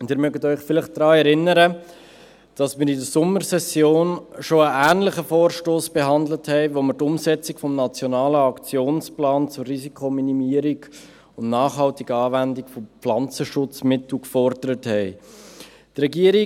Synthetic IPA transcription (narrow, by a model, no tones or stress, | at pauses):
ʊnd̥iːɾmœɡətœʏχfɪlɪχtd̥ɾɑːɛɾɪnːəɾə | d̥ɑsmɪːɾidəsʊməɾsɛsjoːnʃoəʔæːnlɪχəfoːɾʃtoːsb̥eɦɑndləthɛɪʋoməɾtʊmsɛt͡sikfɔmnɑt͡sjɔnɑːləɑkt͡sjoːnsplɑːnt͡sʊrːizikʰominimiəɾiɡ | ʊndnɑːχɦɑltiɡəɑːvændikfoflɑnt͡səʃʊt͡smɪtl̩kfɔɾdəɾəthɛɪ | trɛɡiːəɾi